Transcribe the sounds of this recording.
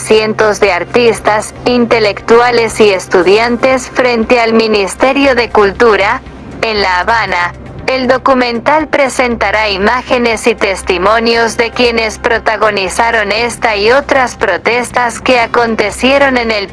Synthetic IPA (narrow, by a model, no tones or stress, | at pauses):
sje̞nt̪o̞zðe̞aɾt̪ist̪as | int̪e̞le̞kt̪wale̞sie̞st̪uðjant̪e̞sfɾent̪e̞alminist̪e̞ɾjo̞ðe̞kult̪uɾa | enlaːβana | eld̪o̞kumẽ̞nt̪alpɾe̞sent̪aɾaimaxe̞ne̞sit̪e̞st̪imo̞njo̞zðe̞kje̞ne̞spɾo̞t̪aɣo̞nisaɾo̞ne̞st̪aio̞t̪ɾaspɾo̞t̪e̞st̪aske̞ako̞nt̪e̞sjeɾo̞ne̞nel